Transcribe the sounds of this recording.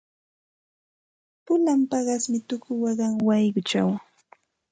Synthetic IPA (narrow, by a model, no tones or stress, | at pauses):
pʊlampɑɢɑsmɪt̪ʊkʊwɑɢɑŋwɑjɢʊt͡ʃa̰w